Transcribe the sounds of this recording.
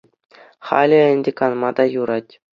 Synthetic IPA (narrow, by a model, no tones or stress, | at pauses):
χɑ̰lʲɘ̆ɘ̆nʲdʲekɑnmɑd̪ɑjuɾɑtʲ